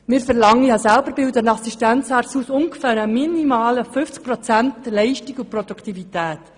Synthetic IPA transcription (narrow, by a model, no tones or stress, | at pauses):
mɪːɾfɛɾlɑŋəjɑːsælbəɾbɪldənɑsiʃtænt͡shɑɾsusʊŋɡəfæːɾəminimɑːləfʏft͡sk̚pɾɔt͡sæntlɛɪʃtiɡupɾodukʰt̪ivitæːt